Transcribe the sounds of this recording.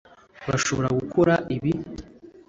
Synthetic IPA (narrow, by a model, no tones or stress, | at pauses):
βaʃo̞βo̞ɾaɡukʰo̞ɾaʔiβi